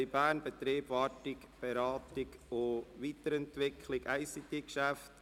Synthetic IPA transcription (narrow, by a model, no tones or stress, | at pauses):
jbæːnbɛtɾeːbvɑtɪk | b̥eɾɑːtɪkoviːtəɾɛntʋɪkʰlɪɡaɪsit̪ekʃæft